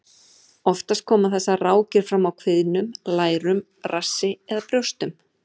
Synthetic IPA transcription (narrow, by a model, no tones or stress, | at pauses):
ɔft̪ast̪̚kʰɔːmaθɛsːaraːwcɪɾ̥fɾamːawkʰvɪðnʏmlaːjɾʏm | rasːɪɛðapɾjowst̪ʏm